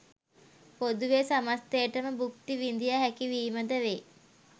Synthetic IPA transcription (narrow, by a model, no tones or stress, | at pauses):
pod̪uʋesamast̪ejəʈəməbukt̪iʋind̪ijaɦækiʋiːməd̪əʋe